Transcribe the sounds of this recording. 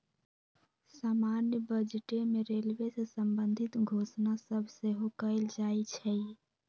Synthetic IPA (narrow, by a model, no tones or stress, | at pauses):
saːmanjəbəd͡ʒʈemeɾelwesesəmbənd̪ʱɪt̪ɡʱoːsnasəbʱseɦokəɪld͡ʒaːit͡ʃʰɛi